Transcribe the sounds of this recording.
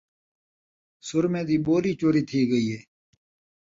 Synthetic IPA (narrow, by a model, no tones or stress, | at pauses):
sʊɾmẽːd̪iːboːɾiːt͡ʃoːɾiːt̪ʰiːɡəiːɦeː